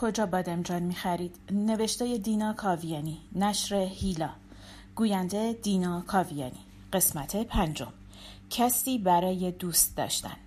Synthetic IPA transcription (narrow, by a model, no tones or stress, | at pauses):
kʰo̞d͡ʒɒːbɒːd̪emd͡ʒɒːnmiːxæɾiːd̪̥ne̞ve̞ʃt̪eːje̞d̪iːnɒːkʰɒːvijɒːninæʃɾe̞hiːlɒː | ɡ̥uːjænd̪ed̪iːnɒːkʰɒːvijɒ̰ːnḭː | ɢ̥e̞smæt̪ʰe̞pʰænd͡ʒo̞̰m | cʰæst̪iːbæɾɒːje̞d̪uːst̪̚d̪ɒ̰ːʃt̪æ̰n